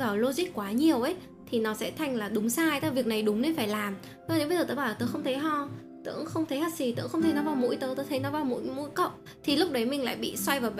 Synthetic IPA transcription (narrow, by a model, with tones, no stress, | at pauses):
vaː˨˩wlo˧zi˦˥k̚kwaː˨˦ɲi˨˩əwʔə˨˦j | t̪ʰi˨˩nɔ˨˦sɛ̰˧˥t̪ʰa˨˩jŋ̟laː˨˩ɗʊ˨˦ŋ͡msaː˧jt̪a˧˦vi˨˩ək̚na˨˩jɗʊ˨˦ŋ͡mne˧nfaː˧˩jlaː˨˩m˧˨˧ | ɗe˨˦bə˧jzəː˨˩t̪ə̰ː˧˦ɓaː˧˩˨ɨ̰˨˧˨ŋxə˧ŋ͡mt̪ʰə˨˦jɦɔ˧˩ | t̪ɨ̰˧˨əŋxə˧wŋ͡mt̪ʰə˨˦ha˧˩si˨˩t̪ɨ̰˧˥əŋxə˧wŋ͡mt̪ʰə˨˧˦nɔ˨˧˦vaː˧˩wmṵ˧˥jt̪əː˨˦t̪əː˨˦t̪ʰə˨˦jnɔ˨˦vaː˧˩wmṵ˧˥jmṵ˧˥jkə̰˧˨wŋ͡m | t̪ʰi˨˩lʊ˦˥k͡p̚ɗə˨˦jmï˨˩ŋ̟la̰ː˧˨jɓḭ˧˨swa˧jvaː˨˩w